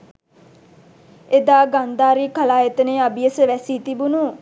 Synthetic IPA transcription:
ed̪aːɡand̪aːɾiːkalaːjet̪əneabijəsəʋæsiːt̪ibunu

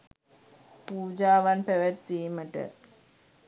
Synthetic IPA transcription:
puːd͡ʒaːʋanpɛʋɛt̪ːiːməʈə̰

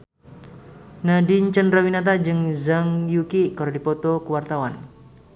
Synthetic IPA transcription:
nadiɲt͡ʃənrawinat̪̬ad͡ʒɨŋzaŋjukikɔɾadipɔt̪ɔkəwart̪awan

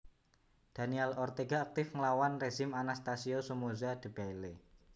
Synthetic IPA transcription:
d̪̥a̤niɛlɔrt̪eɡaːk̚t̪ɪfŋəlawanreʒɪmanast̪asiosumozad̪̥ə̤b̥aile

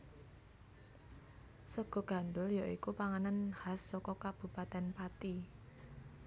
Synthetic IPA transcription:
səɡ̥ɔ̤ɡ̥ä̤nd̪ʊljaʔikupaŋananhasːɔkɔkab̥ṳpat̪ɛnpat̪i

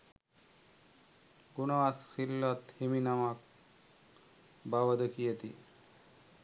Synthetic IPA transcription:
ɡunəʋasːilːɔt̪himinamak̚ | baʋəd̪əkijet̪i

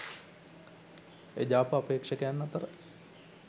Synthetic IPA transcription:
ed͡ʑaːpɐapeːkʂɐkejanːɐt̪əɾə

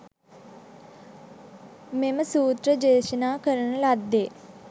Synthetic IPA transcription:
meməsuːt̪ɾəd͡ʒeːʃɐnaːkəɾəɳɐlad̪eː

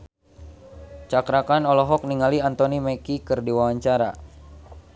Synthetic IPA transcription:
t͡ʃakɾakanɔlɔɦɔk̚niŋaliant̪onimɛkikɨrdiwawaɲt͡ʃaɾa

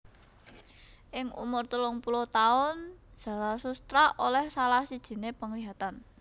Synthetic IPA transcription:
ʔɪŋṵmʊrt̪əlʊŋpulot̪aʊn̥d͡ʒ̥ä̤lasust̪ɾaʔolɛhsalahsid̥ʒ̥i̤nepəŋliɦat̪an

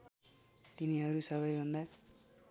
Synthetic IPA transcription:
t̪iniɦʌɾusʌβʌjbʱʌnd̪a

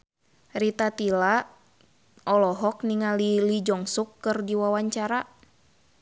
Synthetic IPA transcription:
rit̪at̪ila | ɔlɔɦɔkniŋalilid͡ʒɔŋsukːɨrdiwawaɲt͡ʃaɾa

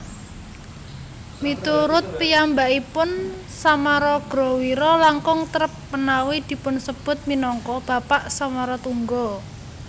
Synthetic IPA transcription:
mit̪uɾʊt̪̚pijambaʔipʊn | samaɾɔɡ̥ɾɔwiɾɔlaŋkʊŋt̪əɾəpːənawid̪̥i̤pʊnsəb̥ʊ̤t̪̚minɔŋkɔb̥ä̤paʔsamaɾɔt̪uŋɡɔ

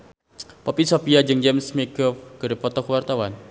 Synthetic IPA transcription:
pɔpisopiad͡ʒɨŋd͡ʒɛmsmekɔfɡ̥əɾepɔt̪ɔkuwart̪awan

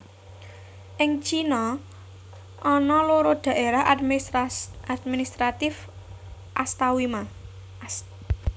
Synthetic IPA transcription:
ʔɪŋt͡ʃinɔ | ʔɔnɔloɾod̪̥ä̤ʔeɾaɦd | ad̪minist̪ɾat̪ɪf | ʔast̪awima

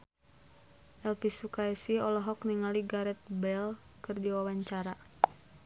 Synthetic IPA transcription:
ʔɛlfisukaisiɔlɔɦɔkniŋaliɡaɾɛt̪̚bɛl | kɨrdiwawaɲt͡ʃaɾa

